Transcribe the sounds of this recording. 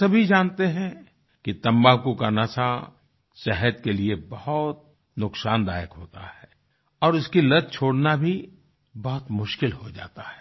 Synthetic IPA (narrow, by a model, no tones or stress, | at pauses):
sɐbʱid͡ʒãːnt̪eɦɛ̃ | kit̪ɐ̃mbaːkukanasa | sɛɦəd̪̚keliebɐhʊt̪̚ | nʊksaːnd̪a̰ːjəkɦoːt̪ahɛː | ɔːɾʊskilɐd̪̚t͡ʃʰoːɽnabʱi | bɔɦʊt̪mʊʃkɪlhod͡ʒa̰ːt̪ḁɦɛː